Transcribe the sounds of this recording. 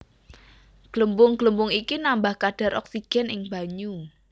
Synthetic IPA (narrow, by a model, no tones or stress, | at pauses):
ɡ̥ləmbʊŋɡ̥ləmbʊŋikinambahkaɖ̥a̤ɾʔɔ̰ksiɡ̥ɛ̤nɪŋba̤ɲu